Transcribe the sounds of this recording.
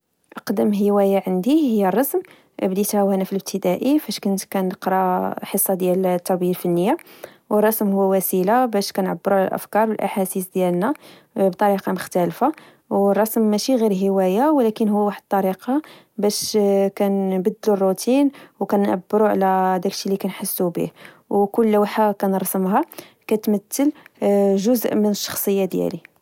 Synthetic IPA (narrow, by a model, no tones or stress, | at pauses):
ʔəqd̪əmɦəwæjaʕənd̪ihəjːərˤːɑsm | bd̪it̪hæwhænæfiləb̚t̪ʰəd̪æʔifæʃkʊnt̪kænəqɾˤɑħəsˤːɑd̪jælt̪ːɑbiəlfənːəjːa | wərˤːɑsmhʊwːæwæsilabæʃkænʕabːəɾuʕlæ̰lʔə̰fkɑɾˤwəlʔa̰ħasisd̪jælnæ | bt̪ˤɑɾiqɑmʊxt̪ælfa | wərˤːɑsmːæʃiɣiɾɦəwæjawlækənhʊːæwaħəd̪̚t̪ˤːɑɾiqɑ | bæʃkænbəd̪ːlurˤːut̪ʰinwkænʕa̰bːəɾuʕ̰læd̪æklʃilikænħəsːubḭh | wkʊlːæwħakænɾˤɑsəmɦɑ | kæt̪mət̪ːəlʒʊzʔmənəʃːɑ̥xsˤəjːad̪jæ̰li